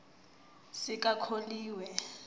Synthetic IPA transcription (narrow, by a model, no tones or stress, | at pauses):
sɪkʼakʰoliːwɛ